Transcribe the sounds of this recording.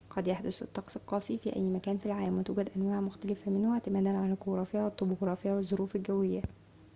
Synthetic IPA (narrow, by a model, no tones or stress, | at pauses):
qɑd̪jaħd̪ʊsɪ̰t̪ˤːɑqsˤɪlqːɑːsˤifiːʔæ̰jːmækæːnfilʕaːlmwɪt̪uːɡæd̪ʔænwaːʕmʊxt̪ælɪfæmɪnhʊʕt̪ɪmæːd̪ænʕanælkoɾˤɑːfɪjːawɪt̪ˤːoboɡɾˤɑːfɪjːawɪzˤːoɾuːfɪlɡæwɪjːæ